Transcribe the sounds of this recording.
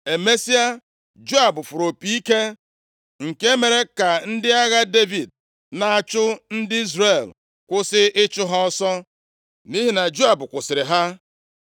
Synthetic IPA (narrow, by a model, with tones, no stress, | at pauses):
e˨me˦si˦a˦ | d͡ʒo˦a˨bʊ˨fʊ˨ɾo˨pi˨i˦ke˦ | ŋ̩˨ke˦me˨ɾe˦ka˨n̩˦dɪ˦a˦ɣa˦de˦vi˨d̚ | na˨a˨t͡ʃʊ˦n̩˦dɪ˦i˦zre˨l | kʷʊ˦sɪ˦ʔɪ˦t͡ʃʊ˦ɦa˦ɔ˦sɔ˦ | ni˦ɦi˦na˨d͡ʒu˦a˨bʊ˨kʷʊ˨sɪ˨ɾɪ˨ɦa˦